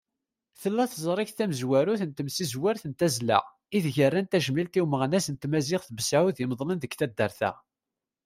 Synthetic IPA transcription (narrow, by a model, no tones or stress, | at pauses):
θəlːæθzˤɾˤiçθæməzwæɾuθənt̪əmsizwæɾθənt̪æzlæ̰ʁ | iðʝərːænt̪æʒəmilt̪iwməʁnæsənt̪mæzɪʁθəbəsʕuðiməðˤlənðəɡθæd̪ːəɾθæ̰